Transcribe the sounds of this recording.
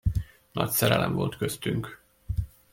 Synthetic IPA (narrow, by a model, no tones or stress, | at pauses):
nʔɒcsɛɾɛlɛmvo̞lt̪køst̪yŋk